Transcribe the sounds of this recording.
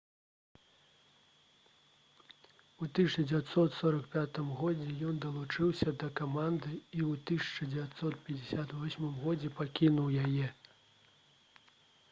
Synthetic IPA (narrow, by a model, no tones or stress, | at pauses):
ut̪ɨsʲnid͡zʲɛvʲat̪sɔt̪sɔɾɐkpʲat̪ɨmɣɔd͡zʲɛjɔnd̪ɐlˠut͡ʂɨwsʲɐd̪ɐkamand̪ɨiwt̪ɨsʲɐ̥t͡ʂɐd͡zʲɛvʲat̪sɔt̪̚pʲɐd͡zʲɪsʲat̪vvɔsʲmɨmɣɔd͡zʲɛpakʲinuwjajɛ